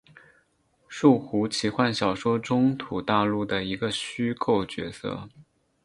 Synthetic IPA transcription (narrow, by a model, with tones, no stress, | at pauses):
ʂu˥˩xu˧˥t͡ɕʰi˨˩xwa˥˩nɕjɑ˨˩ʊʂwɔ˥ʈ͡ʂʊ˥ŋt̪ʰu˨˩t̪a˥˧lu˥˩d̪ə˩i˧˥ɡə˧ɕy˥kʰo˥˩ʊt͡ɕɥɛ̰˧˥sɤ̰˥˧˩